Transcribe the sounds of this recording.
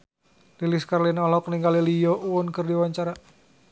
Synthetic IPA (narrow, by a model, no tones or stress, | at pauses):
liliskarlinɔlɔkniŋɡalilijɔʔuʊnkɨrdiwaɲt͡ʃaɾa